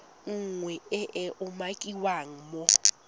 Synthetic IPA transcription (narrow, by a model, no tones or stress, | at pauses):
ŋ̩ŋwɛɛʔɛʔʊmakʼiwaŋ̩mɔ